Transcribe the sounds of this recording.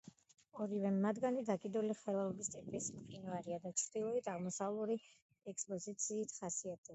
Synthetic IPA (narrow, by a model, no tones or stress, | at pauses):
ɔɾivɛmːad̪ɡanid̪akʼid̪ɔliχɛlˠalˠɔbist̪ʼipʼismχʼinvaɾiad̪at̪t͡ʃ̪ʰd̪ilˠɔit̪ʰaʁmɔsavlˠuɾi | ɛkspʼɔzit̪sʰiːt̪ʰχasiat̪ʰʼɛ